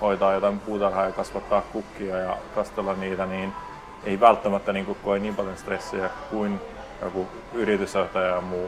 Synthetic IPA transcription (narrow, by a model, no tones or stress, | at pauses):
hoit̪ɑːjot̪ɑimpuːt̪ɑrhɑːjɑkɑsʋɑt̪ːɑːkkukːiɑjɑkɑst̪elːɑnniːt̪æniːn | eiʋælt̪ːæmæt̪ːæniːŋkukkːoiniːmpɑljonst̪resːijækuin | jo̰ku | yɾit̪ysoht̪ɑjɑmuː